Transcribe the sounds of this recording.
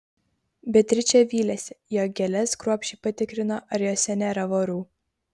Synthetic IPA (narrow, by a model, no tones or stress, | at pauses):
bʲɛt̪ʲɾʲɪt͡ʃʲɛʋʲiːlʲɛsʲɛjoːɡʲɛlʲɛskɾuɔpʲʃʲiːpɐt̪ʲɪkɾʲɪnoʔɐɾʲjoːsʲɛnʲɛɾɐʋoɾuː